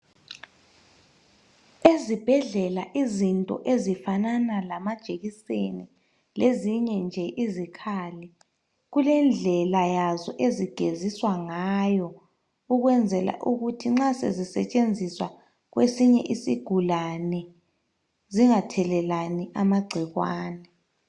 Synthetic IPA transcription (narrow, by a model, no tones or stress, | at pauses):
ezib̥ʱɛɮɛlaʔizintʼɔ̰ʔezifananalamad̥ʒ̥ʱeɣiseni | leziɲɛnd͡ʒʱɛʔizikʰaːlɛ | ɣulɛnd͡ɮʱɛlajazɔʔeziɡ̥ʱeziswaŋajɔ | uɣwɛnd͡zʱɛla̰ʔuɣutʰiŋ͡ǁasḛzisɛ̰t͡ʃʼend͡zʱiswa | ɣwesiɲɛ̰ʔisiɡ̥ʱulanɛ | ziŋatʰɛlɛlaniʔamaɡ͡ǀʱiɣwaːnɛ